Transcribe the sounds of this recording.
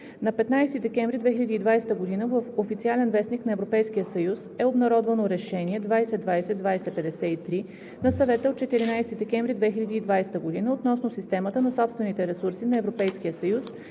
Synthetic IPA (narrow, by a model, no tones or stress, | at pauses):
nɐpɛt̪najst̪id̪ɛkɛɱvɾid̪vɛxʲilʲɛd̪iːd̪vajsɛt̪əɡod̪inəvəfofit̪sialɛnvɛsniknɐɛvɾopɛjsk̟ijəsɐjusɛobnɐɾɔd̪vənoɾɛʃɛniɛd̪vajsɛd̪vajsɛd̪vajsɛpɛd̪ɛsɛit̪ɾi | nɐsɐvɛt̪əot̪̚t͡ʃɛt̪iɾinajst̪id̪ɛkɛɱvɾid̪vɛxilʲɛd̪iːd̪vajst̪əɡod̪inəot̪nɔsnosist̪ɛmət̪ənɐsɔpst̪vɛnit̪ɛɾɛsuɾsinɐɛvɾopɛjskijəsɐjus